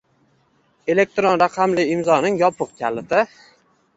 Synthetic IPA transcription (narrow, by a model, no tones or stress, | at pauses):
e̞le̞k̚t̪ɾonɾɑqʰɑmlɪɪmzɒnɪŋjɒpʰɨq̚k̪ʲʰalɪt̪ɪ